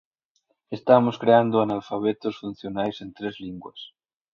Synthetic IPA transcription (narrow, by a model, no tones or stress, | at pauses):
est̪amoskɾeand̪ʊanalfaβ̞et̪osfun̟θjonajsent̪ɾezliŋɡwɐ̰s